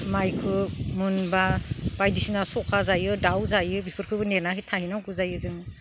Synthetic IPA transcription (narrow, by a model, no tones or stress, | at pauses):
majkʰɯmunbab̥ajdisinasɔkʰazajɯdawzajɯbipʰɯɾkʰɯbɯneɾnaɦitʰahinawkʰɯzajɯzɯŋ